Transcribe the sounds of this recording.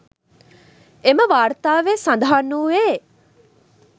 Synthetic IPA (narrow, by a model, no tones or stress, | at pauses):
eməʋaːɾt̪aːʋesand̪aɦanːuːeː